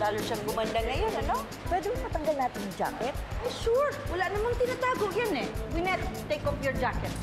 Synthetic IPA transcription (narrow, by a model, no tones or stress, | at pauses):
laːluʃaŋɡʊmand̪ɐŋɐjonɐno | pwɛːd̪ɛɐŋmɐt̪ɐŋɡɐlnaːt̪ɪnd͡ʒa̰ːkɛt̪̚ʔajmʃuɹwɐlaʔnɐmaŋt̪ɪnat̪aːɡoʔjanɛwinɛt̪t̪ːejkɔpjɔɹd͡ʒaːkɛt̪̚